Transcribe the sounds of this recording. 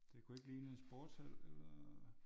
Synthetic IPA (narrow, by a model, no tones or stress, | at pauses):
d̥e̝kʰue̝ɡ̥əliːnəensb̥ɔːd̥sel̰elɐ